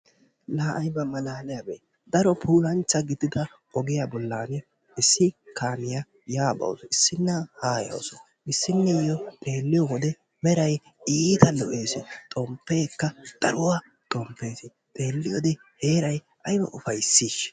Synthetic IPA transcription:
laːʔɐjbɐmɐlaːlɪjabḛː | d̪ɐɾɔpʰuːlɐnt͡ʃːɐɡɪd̪ɪd̪ɐ | ʔɔɡɪjabɔlːaːnɪ | ɪsːɪkaːmɪja | jaːbɐ̰wsɔɪsːɪnːɐhaːjɐ̰wsɔ | ʔɪsːɪnːɛjɔt̪ʼe̞ːlːɪjɔwɔd̪ɛ | mɛɾɐj | iːt̪ɐlɔʔe̞ːsɛt̪ʼɔmpːe̞ːkːɐd̪̥ɐɾʊwa | t̪ʼɔmpːeːsɪ | t̪ʼe̞ːlːɪjɔd̪ɛ | he̞ːɾɐj | ʔɐjbɐ̰ʔʊfɐjsːiːʃ

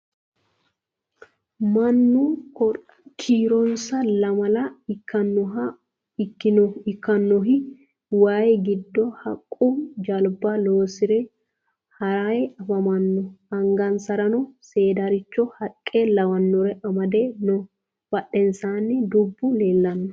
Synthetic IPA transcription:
mɐnːu | kʰiːɾɔnsɐlɐmɐlɐɪkːɐnːɔɦɐ | ɪkːɪnɔɪkːɐnːɔɦɪ | waːjɛɡɪd̪ːɔhɐkʼːumd͡ʒɐlbaloːsɪɾɛ | hɐɾaɛɐfɐmɐnːɔɐŋɡɐnsɐɾɐnɔseːd̪ɐɾɪt͡ʃːɔhɐkʼːeːlɐwɐnːɔɾɛʔɐmɐd̪eːnɔ | b̥ɐɗːɛnsaːnːɪd̪ʊbːʊleːlːɐnːɔ

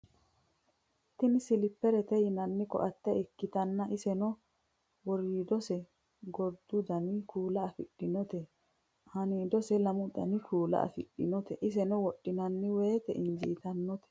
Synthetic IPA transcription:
ʔʔɪt̪ːɪnɪsɪlɪpːɛɾɛt̪ɛjɪnɐnːɪkɔ̰ʔɐt̪ːɛɪkːɪt̪ɐnːɐʔɪsɛnɔ | wɔɾiːd̪ɔsɛ | ɡɔd̪ʊd̪ɐnɪkuːlɐɐfɪɗːɪnɔt̪ɛ | hɐniːd̪ɔsɛlɐmʊd̪ɐ̰nɪkʰuːlɐ̰ʔɐ̰fɪɗːɪnɔt̪ɛʔɪs̬ɛnɔwɔɗːɪnɐnːɪwe̞ːt̪ɛʔɪnd͡ʒiːt̪ɐnːɔt̪ɛ̥

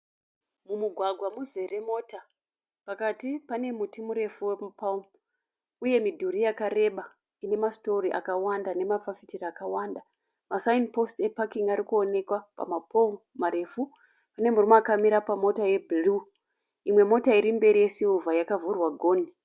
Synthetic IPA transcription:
mumuɡʱwaɡʱwamuze̞remo̞ːta | pakatipane̞mutimuɾe̞fuwemupam | uje̞midʱuɾijakaɾe̞ɓa | ine̞masto̞riʔa̰kawandane̞mafafitiriakawaːnda | masainpo̞stepakiŋaɾikuone̞kwapa̰mapʰo | maɾe̞fu | pane̞murimoakamiɾapamo̞taje̞bʱilu | imwe̞mo̞taiɾimbe̞ɾije̞siuvajakavurwaɡʱo̞ːni

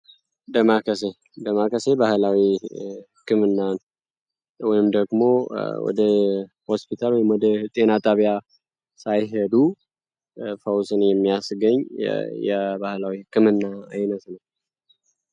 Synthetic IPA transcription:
d̪əmakʰəse̞ | d̪əmakʰəse̞bahɨlawi | kʰɨmɨnːan | wɔjɪmd̪əɡmo̞wɔ̰d̪ə | hospit̪ʰalwɔjɪmwɔd̪ət̪ʼe̞nat̪ʼaβija | sajɦed̪u | fəwsɨnjɛmːijasɡəɲːjɛ̰bahlawikɨmɨnːaa̰jnət̪nəw

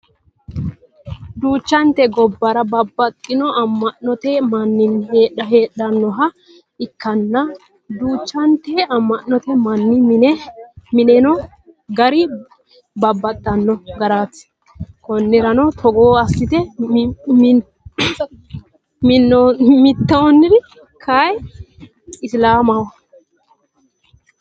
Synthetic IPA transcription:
d̪uːt͡ʃːɐnt̪ɛɡɔbːɐɾɐbɐbːɐt̪ʼːɪnɔɐmːɐnːɔt̪ɛmɐnːɪnheːᶑɐɦeːɗɐnːɔɦɐ | ɪkːɐnːɐ | d̪uːt͡ʃːɐnt̪ɛɐmːɐnːɔt̪ɛmɐnːɪnɛmɪnɛnɔ | ɡɐɾɪ | bɐbːɐt̪ʼːɐnːɔɡɐɾaːt̪ː | kɔnːɛɾɐnɔt̪ʰɔɡoːɐsːɪt̪ɛ | mɪnːɔmɪt̪ːɐnːɪd̪ɪ | kʰɐj | ɪslaːmɐwɐ

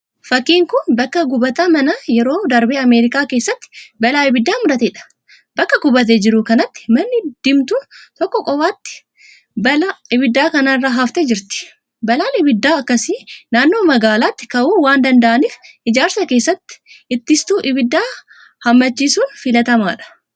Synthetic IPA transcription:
fɐkːiːŋkʊnbɐkːɐɡʊbɐt̪amɐnɐjɛɾo̞ːd̪ɐɾbeːɐme̞ːɾɪkʼaːkeːsːɐt̪ːɪ̥bɐlaːɪbɪd̪ːaːmʊɾɐt̪ɛᶑɐ̥ | bɐkːɐɡʊbɐt̪̬eːd͡ʒɪɾʊkɐnɐt̪ːɪ̥mɐnːɪd̪̥ɪmt̪uːt̪ɔkːɔkʼɔfaːt̪ːɪ̥ | bɐlɐʔɪbɪd̪ːaːkɐnarːɐɦɐft̪ed͡ʒɪɾt̪ɪ̥ | bɐlaːnɪbɪd̪ːaːɐkːɐsinaːnːo̞ːmɐɡaːlaːt̪ːɪ̥kɐʔuːwaːnd̪ɐnd̪ɐʔɐniːfʔɪd͡ʒaːɾsɐke̞ːsːɐt̪ːɪ̥ɪt̪ːɪst̪uːʔɪbɪd̪ːaː | hɐmːɐt͡ʃːiːsuːnfɪlɐt̪ɐma̰ːᶑɐ̥

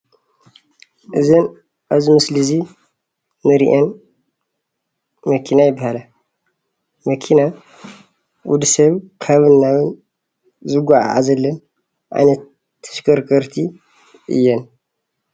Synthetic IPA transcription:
ʔɨzɐn | ʔaβzimɨslizi | mɨɾḭʔɐn | mɐkʰinajɪbːahalɐ | mɐkʰina | wud̪ɨsɐβkʰɐβɨnːaβɨn | zɨɡʷaʕa̰ʕa̰zɐlːɐn | ʔa̰jnɐt̪ʰː | ɐ̥ʃkʰɐɾkʰɐɾt̪ʰi | ʔɨ̰jːɛn

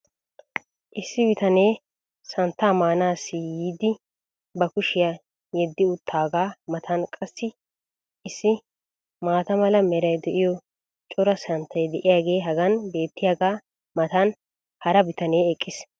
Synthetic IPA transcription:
ʔɪsːɪbɪt̪ɐneː | sɐnt̪ːaːmaːnaːsːɪjiːd̪ɪ | bɐkʊʃɪja | jɛd̪ːɪʊt̪ʰːaːɡaːmɐt̪ʰɐnkʼɐsːɪ | ʔɪsːɪ | maːt̪ɐmɐlɐmɛɾɐjd̪ɛʔɪjɔ | t͡ʃʼɔɾɐsɐnt̪ʰːɐjd̪ɛʔɪjaːɡe̞ːɦɐɡɐnbe̞ːt̪ːɪjaːɡaː | mɐt̪ɐn | hɐɾɐbɪt̪ɐneːɛkʼːɪs

